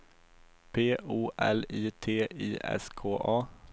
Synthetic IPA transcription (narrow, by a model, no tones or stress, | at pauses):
pʰeːuːʔɛ̰liːt̪ʰeːiːʔɛ̰skʰoːʔɑː